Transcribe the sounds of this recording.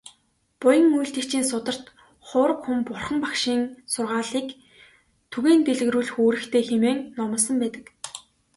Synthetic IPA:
pʊjə̆ŋːujɬt̪ɘ̆kt͡ɕiːnsʊt̪ə̆r̥t̪ | χʊːɾə̆kxumpʊrχə̆mpakʃiːŋsʊrʁaːɮiːk | t̪ʰuɣeːnt̪eɮɣ̆ɾuːɮxoːɾɘ̆xt̪ʰeːxemeːŋnɔmə̆s̬ə̆mpæːt̪ə̥̆k

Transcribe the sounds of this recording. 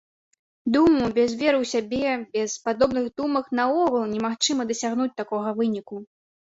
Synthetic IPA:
d̪umubʲɛzvʲɛɾɨwsʲabʲɛbʲɛspad̪ɔbnɨɣd̪umɐknɐɔɣɐlˠnʲɛmaxt͡ʂɨmɐd̪ɐsʲaɣnut͡sʲt̪akɔɣɐvɨnʲiku

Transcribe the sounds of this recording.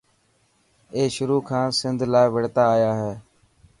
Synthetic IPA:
eːʃʊɾuːkʰãːsɪnd̪ʱlaːɪʋəɽt̪aːaːjaːɦɛː

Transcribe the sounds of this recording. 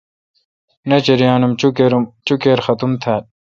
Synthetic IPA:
nɐt͡ɕeɾijaːnumt͡ɕukeɾut͡ɕukeːɾxɐt̪umt̪ʰaːt̪̚

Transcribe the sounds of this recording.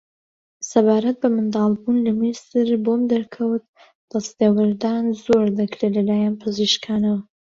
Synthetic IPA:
sɐbaːɾɐt̪̚bɐmɨnd̪ɑːlˠbunlɐmisɨɾbomd̪ɐɾkʰɐwt̪̚ | d̪̥ɐst̪ewɨɾd̪aːnzoːɾd̪ɨkɾelɐlaːjaːnpʰɨziʃkʰaːnɐwɐ

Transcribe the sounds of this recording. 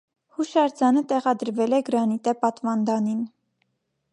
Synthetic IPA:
huʃɑɾd͡zɑnət̪ɛʁɑd̪əɾvɛlɛɡəɾɑnit̪ɛpɑt̪vɑnd̪ɑnin

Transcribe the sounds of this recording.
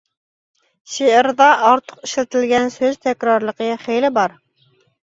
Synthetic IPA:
ʃeɪɾd̪ɑʔːɾt̪ʰə̥qɪʃlæt̪ʰɪlɡʲɛnsøzt̪ʰɛkʲɾɑɾlˠəqəχejlɪbɑɾ

